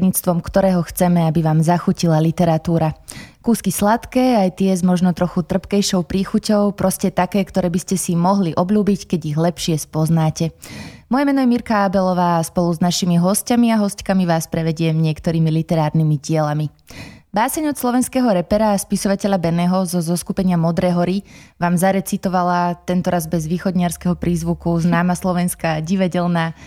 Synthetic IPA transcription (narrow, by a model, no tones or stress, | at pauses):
dɲiːt͡st̪ʋɔmkt̪ɔɾɛːɦɔxt͡sɛmɛabiʋaːmzaxucilalit̪ɛɾat̪uːɾakuːskislat̪kɛːajt̪ɪɛzmɔʒnɔt̪ɾɔxut̪r̩pkɛjʃɔʊpɾiːxucɔʊpɾɔscɛt̪akɛːkt̪ɔɾɛːbiscɛsimɔɦliʔɔbʎuːbickɛɟiɣlɛpʃɪɛspɔznaːcɛmɔjɛmɛnɔjɛmiɾkaabɛlɔʋaːspɔluznaʃimiɦɔscamiaɦɔsckamiʋaːspɾɛʋɛɟɪɛmɲɪɛkt̪ɔɾiːmilit̪ɛɾaːɾnimiɟɪɛlami | baːsɛɲɔslˠɔʋɛnskɛːɦɔɾɛpɛɾaspisɔʋacɛʎabɛnɛːɦɔzɔzɔskupɛɲɪamɔd̪ɾɛːɦɔɾiʋaːmzaɾɛt͡sit̪ɔʋalat̪ɛnt̪ɔɾazbɛzʋiːxɔd̪ɲɪaɾskɛɦɔpɾiːzʋukuznaːmaslɔʋɛnskaɟiʋaɟɛlnaː